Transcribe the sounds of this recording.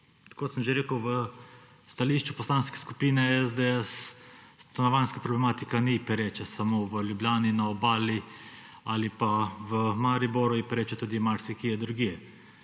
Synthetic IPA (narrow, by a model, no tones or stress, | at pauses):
kot̪səmʒeɾeːkəwʋə | st̪aliːʃt͡ʃupɔslaːnskɛ̥skupiːnɛɛzd̪eɛs | t̪anaʋajnskapɾɔblɛmaːt̪ikanipɛɾet͡ʃɛsamoʋəlʲjublʲjaːninaɔbaːli | alipaʋəmaɾibɔɾujipɛɾeːt͡ʃɛt̪uːd̪imaɾsikijɛd̪ɾuɡiɛ